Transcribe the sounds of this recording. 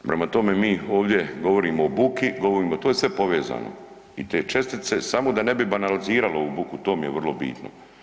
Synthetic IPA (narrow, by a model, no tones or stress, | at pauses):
pɾe̞mat̪o̞me̞miːo̞ːʋd̪ʲje̞ɡo̞ʋo̞ɾiːmoobukiɡo̞ʋo̞ɾiːmot̪o̞ːjesʋe̞po̞ʋe̞ːza̰ːno̰ | it̪e̞ːt͡ʃe̞st̪it̪se̞samo̞d̪ane̞bibanaliziːɾaloubukut̪o̞ːmije̞ʋrlo̞bḭːt̪no̰